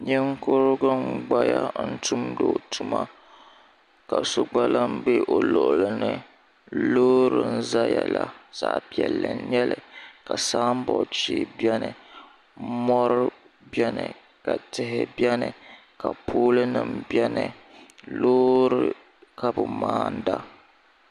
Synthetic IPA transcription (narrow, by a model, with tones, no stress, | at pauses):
ɲɨ˦ŋkʊ˦ɾɡʊ˦ŋɡ͡ba˦ja˦n̩˦tu˦mdo˨tʰu˦ma˦ | ka˨so˨ɡ͡ba˦la˦m˦be˦ʔo˨lʊ˨ʔʊ˨lɨ˨nɨ˦ | loː˦ɾɨ˨n̩˦za˦ja˨la̰˨z̥a̰˦˨ʔpi˦ɛ˨lːɨ˨˦ɲɛ˦lɨ˨ka˨saː˦m̩˦bɔ˨t͡ʃi˦bɛ˦nɨ˨ | mɔ˦ɾɨ˦ | bjɛ˦nɨ˨ | ka˨tɪ˨ɦɪ˨bɛ˦nɨ˨ | ka˨pʰoː˦lɨ˦nɨ˨mbjɛ˦nɨ˨loː˦ɾɨ˨ | ka˦bʊ˨maː˦n̩˦da˦